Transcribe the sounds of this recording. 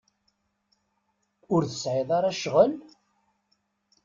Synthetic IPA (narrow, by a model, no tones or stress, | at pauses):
ʊɾθəsʕɪðˤaɾæʃʁəl